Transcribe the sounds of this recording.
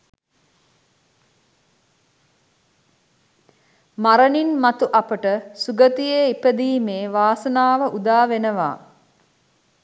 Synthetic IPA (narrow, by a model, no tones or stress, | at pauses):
maɾəninmat̪uʔapəʈəsuɡət̪ijeipəd̪iːmeːʋaːsənaːʋəʔud̪aːʋenəʋa̰ː